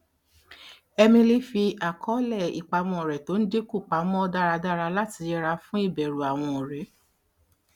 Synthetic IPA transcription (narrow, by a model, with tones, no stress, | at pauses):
ɛ˧mĩ˧le˦fi˧a˨kʰɔ˨˦lɛ˦˨ḭ˨k͡pa˧mɔ̃˨ɾɛ˨to˨˦n̩˦de˦ku˦˨k͡pa˨˦mɔ̃˦da˦˨ɾa˧da˦˨ɾa˧la˦ti˧ɛ˧ɾa˧fũ˦i˦˨bɛ˨ɾu˨a˨w̃ɔ̃˧o˨ɾɛ˨˦